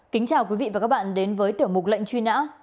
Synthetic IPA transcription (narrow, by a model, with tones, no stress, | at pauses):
kï˨˦ŋ̟t͡ɕaː˨˩wkwi˨˦vḭ˧˨vaː˨˩kaː˦˥k̚ɓa̰ː˧˨nɗe˨˦nvəː˨˦jt̪ɨ˧˩əmʊ˨˩k͡p̚lə̰˧˨ŋt͡ɕwi˧na̰ː˧˥